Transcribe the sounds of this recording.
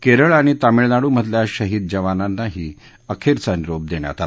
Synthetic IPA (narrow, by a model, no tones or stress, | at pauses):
keɾəɭaɽ̃it̪amiɭnaɽuːm̤ət̪ljaɕəɦiːd̪̚d͡ʑəʋananːaɦiː | əkʰeɾt͡saniɾob̚d̪eɳja̰t̪at̪